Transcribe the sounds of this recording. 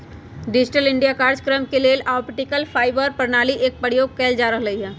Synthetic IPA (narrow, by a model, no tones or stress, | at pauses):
ɖɪd͡ʒɪʈəlɪ̃ɳɖijakaːɾd͡ʒkɾəmkeleːlaːpʈɪkəlfʰaːɪbəɾpɾnaːliʔeːk̚pəɽjoːɡ̚kɛːld͡ʒaːɾəɦlɐɦiɦɛː